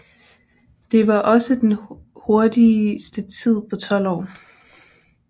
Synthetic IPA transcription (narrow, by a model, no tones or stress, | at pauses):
d̥e̝ʋɑ̈ʔɒ̽səd̥enho̝ɐd̥isd̥ət͡sʰið̞̰ˠpʰɒ̽t͡sʰɒ̽l̰ɒ̰ː